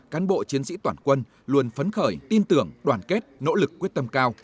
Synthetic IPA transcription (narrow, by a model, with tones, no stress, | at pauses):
kaː˨˦nɓo̰˧˨t͡ɕi˨˦ənsḭ˧˥t̪waː˧˩nkwə˧n | lu˧ənfə˨˦nxəː˧˩jt̪i˧nt̪ɨ˧˩əŋɗwaː˧˩nke˦˥t̚no̰˧˥lɨ˨˩k̚ːwi˦˥ət̚t̪ə˧mkaː˧w